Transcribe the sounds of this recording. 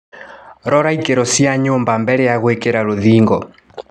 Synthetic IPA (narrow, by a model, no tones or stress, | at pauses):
ɾɔɾaikeɾɔsjaɲombambɛɾɛjaɣwekeɾaɾoðiːŋɡɔ